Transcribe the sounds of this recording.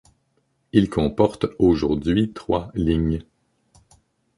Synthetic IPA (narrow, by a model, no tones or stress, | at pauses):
ilkʰɔ̃pɔʁt̪oʒuʁd̪ɥit̪χwaliɲ